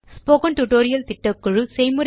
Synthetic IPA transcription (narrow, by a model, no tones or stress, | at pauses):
spoːkɐnʈuʈoːɾɪjɐlt̪ɪʈːɐkːɯɻɯsɛjmʊɾɐ